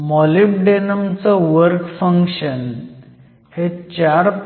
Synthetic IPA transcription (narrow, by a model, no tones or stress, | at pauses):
mɔlipɖenəmt͡sɔʋəɾkfəŋkɕən | het͡ɕaɾ